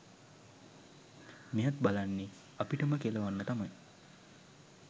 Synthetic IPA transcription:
mijat̪̚balanːe | apiʈəməkeləʋanːət̪amaj

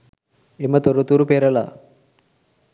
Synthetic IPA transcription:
emɐt̪oɾut̪uɾupeɾɐla̰

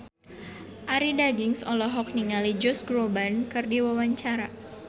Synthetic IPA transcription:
ʔaɾidaɡiŋsɔlɔɦɔk̚niŋalid͡ʒɔsɡɾobankɨrdiwawaɲt͡ʃaɾa

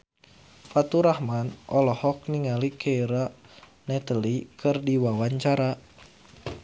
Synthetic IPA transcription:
fat̪uɾahmanʔɔlɔhɔk̚niŋalikʰeiɾa | nɛt̪əlikʰɨrdiwawaɲt͡ʃaɾa

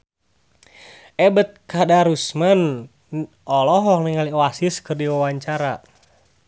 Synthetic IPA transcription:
ɛbət̪̚kadaɾusman | ʔɔlɔɦɔk̚niŋaliɔasiskɨrdiwawaɲt͡ʃaɾa

